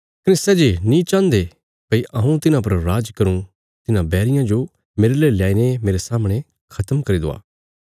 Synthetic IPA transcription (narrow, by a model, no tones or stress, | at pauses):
kənɪstɛd͡ʒenĩt͡ʃãːnd̪e | pɐiʔɐɦũt̪ɪnãp̬ɐɾɾaːd͡ʒkɐɾũ | t̪ɪnãbɛːɾɪjãd͡ʒo | meːɾeleːiljaːinemeːɾesaːmɽ̃e | kʰɐt̪əmkɐɾid̪o̰ːa̰ː